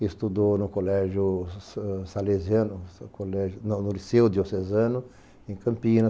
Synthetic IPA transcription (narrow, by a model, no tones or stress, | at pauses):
est̪ud̪onʊkolɛʒjʊ | saleziɐ̃nʊkolɛʒʊnnʊlisewd̪iosezɐ̃nʊ | ẽkɐ̃mpĩnɐ